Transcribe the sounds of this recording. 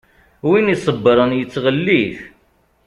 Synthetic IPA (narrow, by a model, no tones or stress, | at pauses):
winisˤəbːəɾˤənjət͡sːʁəlːiθ